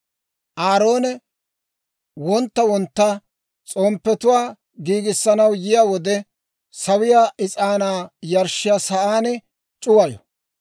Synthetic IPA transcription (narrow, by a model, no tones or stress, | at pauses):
ʔaːɾo̞ːnɛ | wɔnt̪ːɐwɔnt̪ːɐ | t͡sʼoːmpːɛt̪ʊwaː | ɡiːɡɪsːɐnɐwjɪjaːwɔd̪ɛ | sɐwɪjaːʔɪt͡sʼaːnaːjɐɾʃɪjaːsɐʔaːnɛ | t͡ʃʼʊwɐjɔ̰